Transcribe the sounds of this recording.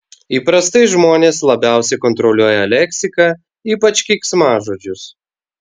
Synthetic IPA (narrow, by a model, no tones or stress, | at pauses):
iːpɾɐst̪ɐɪʒmoːnʲeːslˠɐbʲæˑʊsʲɛɪkɔnt̪ɾɔlʲuɔjɛlʲɛkʲsʲɪkɐ | iːpɐt͡ʃʲkʲiksmɑːʒoːd͡ʒʲʊs